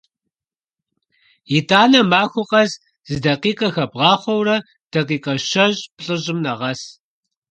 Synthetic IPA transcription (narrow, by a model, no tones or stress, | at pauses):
jitʰaːnɐmaːxʷʊqɐz | z̥ɨdɐqiːqʼɐxɐbʁɑːχʷɔwrɐ | d̥ɐqiːqɐɕɐʑʼpɬʼɨʑʼɪmnɐʁɐs